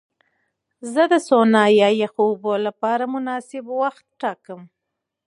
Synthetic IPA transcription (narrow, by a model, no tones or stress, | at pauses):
zəd̪əsonɑjɑjexubolapɑɾamʊnɑsɪbwaxt̪̚ʈɑkəm